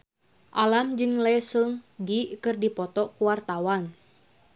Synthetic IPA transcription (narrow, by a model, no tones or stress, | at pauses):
ʔalamd͡ʒɨŋlɛsəŋdikɨrdipɔt̪ɔkuwart̪awan